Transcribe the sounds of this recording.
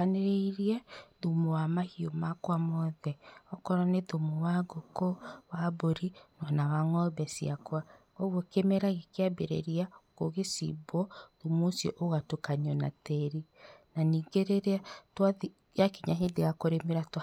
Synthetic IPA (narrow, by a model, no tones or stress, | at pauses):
aneɾeiɾiɛðumowamahiomakwamɔðɛɔkɔɾaneðomowaɡokowaboɾinɔnawaŋɔbɛsiakwa | ɔβokemɛɾaɣekeabḛɾḛɾiaɣoɣesḭbɔðumoːsjɔʔoɣatokaɲɔna̰tɛɾinaniːŋɡeɾeɾeatwa | jakeɲaɦedeɣakoɾemeɾat